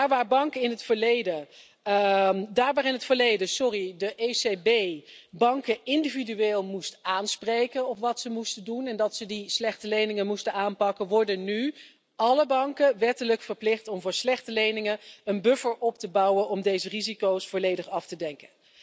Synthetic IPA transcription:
daːɹʋaːɹbɑŋkəɪnɦətfəɹlejdə | daːɹʋaːɹɪnɦətfəɹlejdəsɔridəʔesebejbɑŋkəɪndividyʋeːlˠmustaːnsprejkənɔpʋɑtsəmustəndunɛndɑtsədislɛχtəlejnɪŋəmustənaːnpɑkənʋɔɹdəny | ɑləbɑŋkəʋɛtələkfəɹplɪχtɔmvʊːɹslɛχtəlejnɪŋəənbɵfəɹʔɔp̚təbɑwənɔmdejzərizikowsfoːlejdəχɑftədɛŋkən

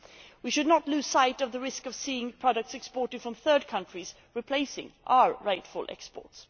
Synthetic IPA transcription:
wiʃɨdⁿnətˡlʉsaɪɾʌvðəɹɪskʌv̥siɪ̃ŋpʰɹ̥ɑɾək̚tsɛkspɔɹɾɨd̥fɹʌ̃mθɜ˞d̚kʰʌ̃ntɹ̥iz | ɹɨpʰl̥eɪsɪ̰̃ŋʔa̰ʊə˞ɹaɪtfʊlˠʔɛ̰kspɔ̰ɹts

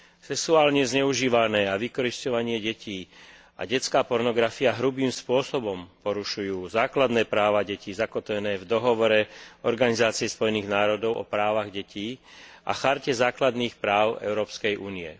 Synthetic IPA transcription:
sɛksuaːlɲɛzɲɛuʒiːʋanɛːaʋikɔɾiscɔʋaɲɪɛɟɛciː | a̰ɟɛt͡skaːpɔɾnɔɡɾafiaɦɾubiːmspʊɔsɔbɔmpɔɾuʃujuːzaːklad̪nɛːpɾaːʋaɟɛciːzakɔt̪ʋɛnɛːvd̪ɔɦɔʋɔɾɛɔɾɡanizaːt͡siɛspɔjɛniːɣnaːɾɔd̪ɔʊʔɔ̰pɾaːʋaɣɟɛciːʔa̰xaɾcɛzaːklad̪niːxpɾaːʊɛ̰ʊɾɔːpskɛjʔuːniɛ

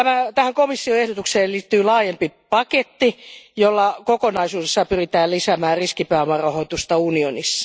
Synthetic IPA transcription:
æmæt̪æhæŋkomisːioehdot̪ukseːliːt̪ːyːlɑːjempipɑket̪ːijolːɑkokonɑisuːdesːɑpyrit̪æːllisæmæːrriskipæːomɑrɑhoit̪ust̪ɑunionisːɑ̥

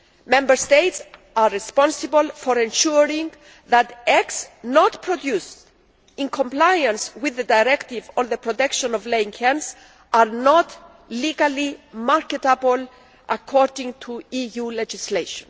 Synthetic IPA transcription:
mɛ̃mbəɹst̪eɪts | aːispɔ̃nsɪbəlfɔɾɛ̃nʃuɾĩŋ | ðat̪ɛksnɔt̪pʰɾɔd̪just | ɪ̃nkʰɔ̃mplajãnswɪðədajɾɛkt̪ivɔ̃nðəpɾɔt̪ɛkʃɔ̃nɔvleĩŋhɛ̃ns | aɾnɔt | liɡalimaɹkɛt̪abl | ʔakʰɔɹdĩŋt̪ʰuijulɛd͡ʒisleʃɔ̃n

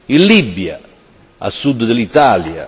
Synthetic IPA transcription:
illibja̰ | a̰sːud̪ːd̪ɪlit̪aːlja̰

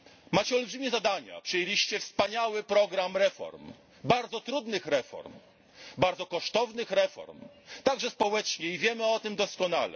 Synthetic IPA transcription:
mat͡ɕɛɔlbʐɘmʲjɛzad̪aɲa̰pʂɨjelʲiɕt͡ɕɛfspaɲawɘpɾɔɡɾamɾɛfɔ̰ɾm | baɾd̪zɔt̪ɾud̪nɘxɾɛfɔ̰ɾm | baɾd̪ɔkɔʂt̪ɔvnɘxɾɛfɔ̰ɾm | t̪aɡʐɛspɔwɛt͡ʂɲɛivʲjɛmɘɔt̪ɘmd̪ɔskɔnalɛ̰

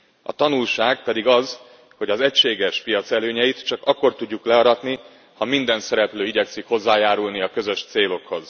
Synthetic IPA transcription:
ɒ̰t̪ɒnulʃaːɡ̚pɛd̪iɡɒz | ho̞ɟɒzɛcʃeːɡɛʃpijɒt̪sɛløːɲɛjit̪t͡ʃɒkɒkːo̞rt̪uɟːuklɛɒɾɒt̪ni | hɒmind̪ɛnsɛɾɛpløːiɟɛksikho̞zːaːjaːɾulniɒkø̞zø̞ʃt̪seːlo̞kho̞z

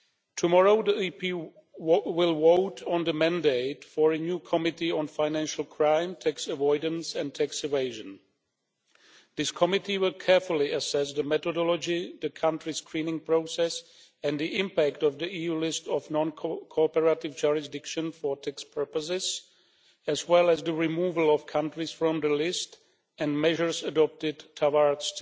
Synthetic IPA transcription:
tʰumɔɹoʊðiipi | wɪlˠwoʊtʰɔ̃nðəmæ̃ndeɪtfɔɹɨnjukʰɔmɪtiɔ̃nfaɪnæ̃nʃl̩ˠkʰɹãɪ̃mtʰɛksəvɔɪdə̃n̩sɛ̃ntʰɛksɪveɪʒə̃n | ðɪskʰɔmɪtiwɪlˠkʰɛɹfʊl̩ˠiəsɛs̬ðəmɛtɔdɔlɔd͡ʒiðəkʰãntɹiskɹĩnɪ̃ŋpɹoʊsɛs | ɛ̃ndiʔɪ̃mpæktɔvðiʔiːjulɪstɔfnɔ̃nkʰkʰɔpəɹatɪvd͡ʒuɹɪs̬dɪkʃə̃nfɔtʰɛkspʰɜ˞pəs̬ɪz | ɛzwɛlˠɛzðəɹimuvəlˠɔfkʰãntɹisfɹɔ̃mðəlɪst | ɛ̃ndmɛʒə˞sədɔp̚tɪdtʰawaɹst

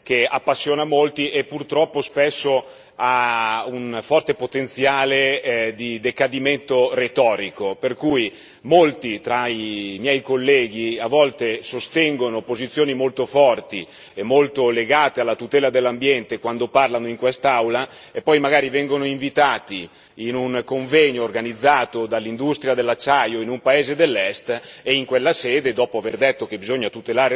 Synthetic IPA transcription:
keapːasːjoːnamolt̪iʔepːurt̪ɾɔpːospɛsːo | aunfɔrt̪epot̪ent̪sjaːled̪id̪ekad̪iment̪oret̪ɔːɾikoperkuːj | molt̪it̪ɾaimjɛjkolːɛːɡ̟iavːɔlt̪esost̪ɛŋɡonopozit̪sːjoːnimolt̪ofɔrt̪i | emːolt̪oleɡaːt̪ealːat̪ut̪ɛːlad̪elːambjɛnt̪ekwand̪oparlanoiŋkwest̪awla | epːɔjmaɡaːɾivɛŋɡonoiɱvit̪aːt̪iː | nuŋkoɱvɛɲoːrɡanid̪zːaːt̪od̪alːind̪ust̪ɾjad̪elːat͡ʃːajoinumpaeːzed̪elːɛst̪eiŋkwelːasɛːd̪ed̪ɔːpoaverd̪et̪ːok̟ebizoɲːat̪ut̪elaːɾe

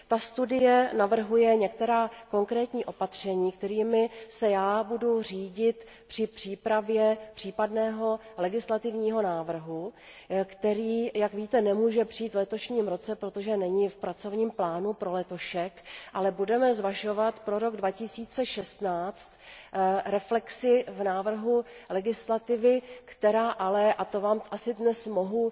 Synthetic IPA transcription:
t̪ast̪udɪjɛnavr̩ɦujɛɲɛk̚t̪ɛɾaːko̞ŋkɾɛːt̪ɲiːʔo̞pat̪r̝̥ɛɲiːkt̪ɛɾiːmɪsɛjaːbuduriːɟɪt̪ | pr̥ɪpr̝̥iːpɾavjɛpr̝̥iːpadnɛːɦo̞lɛɡɪslat̪ɪvɲiːɦo̞naːvr̩ɦu | kt̪ɛɾiːjakviːt̪ɛnɛmuːʒɛpr̥ɪiːt̪vlɛt̪o̞ʃɲiːmɾo̞t͡sɛpɾo̞t̪o̞ʒɛnɛɲɪfpɾat͡so̞vɲiːmplaːnupɾo̞lɛt̪oʃɛkʔalɛbudɛmɛzvaʃo̞vat̪pɾo̞ɾo̞ɡdvacɪsiːt͡sɛʃɛst̪naːt͡st̪ | ɾɛflɛksɪvnaːvr̩ɦulɛɡɪslat̪ɪvɪkt̪ɛɾaːʔalɛʔat̪ovaːmʔasɪdnɛsmoɦu

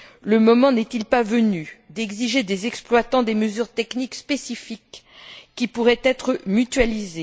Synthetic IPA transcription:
ləmɔmɑ̃nɛt̪ilpavənyd̪ɛɡziʒed̪ezɛksplwat̪ɑ̃d̪eməzyʁt̪ɛknikspesifikː | ipuʁɛt̪ɛt̪χəmyt̪ɥalize

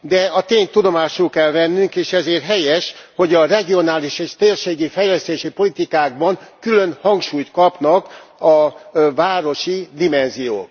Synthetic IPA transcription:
d̪ɛɒt̪eːɲt̪ud̪o̞maːʃulkɛlvɛnːyŋkeːʃɛzeːrɦɛjɛʃho̞ɟɒrɛɡio̞naːliʃeːʃt̪eːrʃeːɡifɛjlɛst̪eːʃipo̞lit̪ikaːɡ̚bɒŋkylønhɒŋkʃuːjt̪kɒpnɒkɒvaːɾo̞ʃid̪imɛnzijo̰ːk

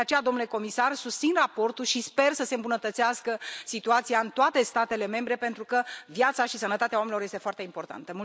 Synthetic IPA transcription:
eat͡ʃe̞jad̪omnule̞ko̞misarsust̪sinrapo̞rt̪ulʃispe̞rsəse̞ɨmbunət̪ət̪siaskəsit̪uat̪sijaɨnt̪oat̪e̞st̪at̪e̞le̞me̞mbɾe̞pe̞nt̪ɾukəvjat̪saʃisənət̪at̪eaomenilo̞rje̞st̪foart̪e̞impo̞rt̪a̰nt̪əmul

